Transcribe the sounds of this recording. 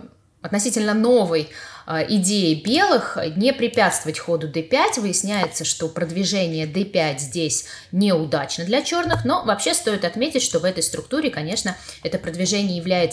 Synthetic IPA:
ɐt̪nɐsʲitʲɪlʲnəno̞vəjʔɪdʲejɪbʲe̞lˠɨxnʲɪpɾʲɪpʲæt̪st̪vəvətʲxo̞d̪ʊd̪ɛpʲætʲvɨjɪsʲnʲæjɪt̪səʂt̪o̞pɾəd̪vʲɪʐɛnʲɪjəd̪ɛpʲætʲzʲdʲesʲ | nʲeʊd̪at͡ɕnəd̪lʲɐt͡ɕo̞rnɨxno̞vɐpɕːe̞st̪o̞ɪt̪ɐt̪mʲetʲɪtʲʂt̪o̞vɛt̪əjst̪ɾʔʊk̚t̪uɾʲɪkɐnʲe̞ʂnəɛt̪əpɾəd̪vʲɪʐɛnʲɪjəjɪvlʲæjɪt̪sə

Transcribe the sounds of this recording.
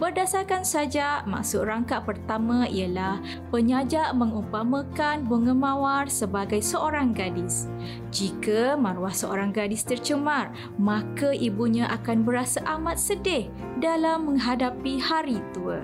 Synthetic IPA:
bərdasarkansad͡ʒama̰ʔsʊt̪̚raŋkaʔpərt̪amãialah | pəɲad͡ʒaʔmə̃ŋupamãkanbəŋə̃mãwarsəbaɡajsəʔoɾaŋɡadɪs | d͡ʒikamãɾuwahsəʔoɾaŋɡadɪst̪ərt͡ʃəmar | mãkaʔibuɲãʔakanbəɾasaʔamat̪̚sədɪh | dalamːə̃ŋɦadapihaɾit̪uə̰

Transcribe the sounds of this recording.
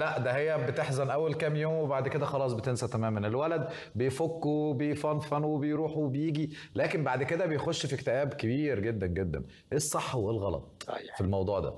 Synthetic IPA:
læʔd̪æhejːæbet̪eħzænʔæwːælkæːmjoːmwebaʕd̪ked̪æxɑlɑːs̬ˤbet̪ensæt̪æmæːmænelwælæd̪ | bejfokːubejfɑnfænuwebejɾuːħuwebejiːɡilæːkembaʕd̪ked̪æbejxoʃːfikt̪eʔæːbkebiːɾɡed̪ːænɡed̪ːæ̰n | ʔesˤːɑħːowelɣɑlɑ̰t̪ˤæ̰jfilmɑwd̪ˤuːʕd̪æ̰

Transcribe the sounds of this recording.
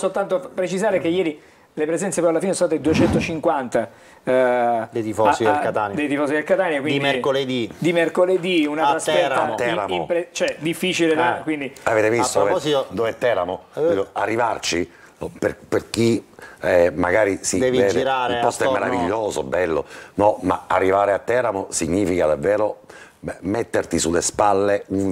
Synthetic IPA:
solt̪ant̪opɾet͡ʃizaːɾekejɛːɾi | lepɾezɛnt̪sepɔjalafinesosaːt̪ed̪uet͡ʃɛnt̪ot͡ʃiŋkwant̪a | d̪eifɔaekat̪and̪ejd̪ifɔːsit̪d̪elkat̪aːnjakwinid̪mkoled̪id̪imerkoled̪iunaasɛɾaaɾamipɾet͡ʃoɛd̪ifːiːt͡ʃileakwind̪iaveːt̪evist̪ookːsd̪ovɛt̪ːɛːɾamoɛoarːivart͡ʃi | perperkiɛmaɡaːɾisid̪ɛvivɛːd̪eɾaɾipɔst̪oɛmmːeɾaviʎːoːzobɛlːo̰nɔma̰a̰rːivaːɾeat̪ːɛːɾamosiɲːiːfikad̪avːɛːɾo | met̪ːert̪isulːespalːeun

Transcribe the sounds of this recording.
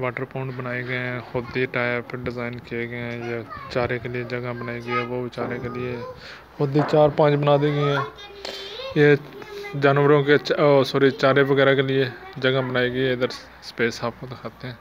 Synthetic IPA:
ʋaːʈəɾpoːɳʈbənaːeːɡəɛ̃ːxʊd̪iːʈaːpʰɪɾɖɪzaːɪnkieːɡẽjaːt͡ʃaːɾeːkeːlɪjeːd͡ʒəɡãbənaːiɡəɛːʋoːʋɪt͡ʃaːɾẽkelɪeː | hʊd̪iːt͡ʃaːɾpə̃ːd͡ʒbənaːd̪eːɡeɛ̃ː | eːd͡ʒaːnʋəɾõːket͡ʃːsoːɾiːt͡ʃaːɾeːʋəɡɛːɾaːkelɪeːd͡ʒəɡãbənaːiːɡəɛːɪd̪əɾ | sə̥peːsaːp̚kõd̪ekʰaːt̪eɛ̃ː

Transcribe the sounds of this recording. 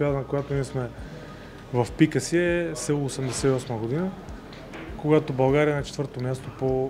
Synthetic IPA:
pad̪nɐkojat̪ʊniɛsmɛ | vɐfpikəsiɛsɛlˠːosɛmd̪ɛsɛiɔsməɡod̪inə | koɡat̪obɐlˠɡaɾiɐnɐt͡ʃɛ̥t̪vəɾt̪omʲjast̪opo

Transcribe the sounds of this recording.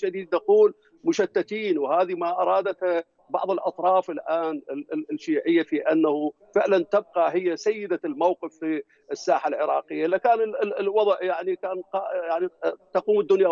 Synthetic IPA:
ʃad̪iːd̪̚naquːl | mʊʃat̪ːat̪iːnwhaːðimaʔɑɾˤɑːd̪at̪ha | bɑ̰ʕðˤɨlʔɑ̰t̪ˤɾˤɑːfɪlʔaːnɪlʃiːʕɪjːafiʔanːahu | fɪʕlant̪ɪb̚qɑɦɪjːasajːɪd̪almawqɨfi | ɪsːaːħalʕɪɾɑ̰ːqɪjːalːakaːnɪlwɑðˤʔjaʕnikaːnqɑjaʕnit̪ɑquːmɪd̪ːʊnja

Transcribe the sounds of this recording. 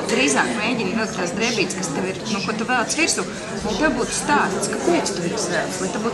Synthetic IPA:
d̪ɾiːzaːkmeːɟʲinnuːk̪̚ʲt̪aːsd̪ɾɛbiːt̪skast̪eʋiɾnukuɔt̪uvɛlˠt̪sʋiɾsu | lant̪ewbuːt̪u̥st̪aːst̪skapɛːt̪st̪uviɾzvɛlˠslˠajt̪ebuːt̪

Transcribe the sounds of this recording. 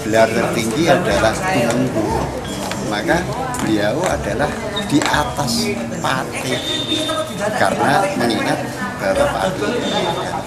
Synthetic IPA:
b̥əlart̪ərt̪iŋɡiadalahkunəŋku | maka | b̥liaoa̰da̤lah | d̥i̤ʔat̪as | pat̪ɪh | ka̰rənaməŋiŋat̪̚d̥atəpa̰t̪ɪkəlaaka

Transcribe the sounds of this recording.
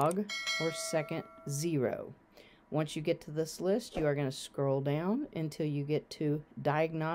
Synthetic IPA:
ɡə˞sɛkɨ̃ntzɪɹo̰ʊ | wʌ̃nsjɨɡɛtʰɨðɪslɪstɨə˞ɡʌnɨskɹoʊlˠdãʊ̃nɨ̰̃ntʰɪlˠjɨɡɛtʰɨdaɪɨɡ̚nɑ

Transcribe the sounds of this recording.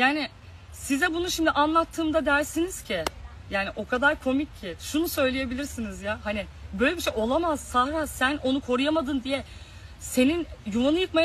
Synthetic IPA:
jaːnɪ | sizɛbunuʃimd̪iʔanlˠat̪ʰːɯːmd̪ad̪æɾsiniz̥cʰɪ | jaːniʔo̞kʰad̪aɾkʰo̞micʰːɪʃunusø̞jlʲeje̞bilʲiɾsinizjahanɪbø̞jlʲebiʃejo̞lˠamaz̥sahɾasænʔo̞nukʰo̞ɾujamad̪ɯnd̪ijɛ | se̞ninjuvanɯjɯkmaj

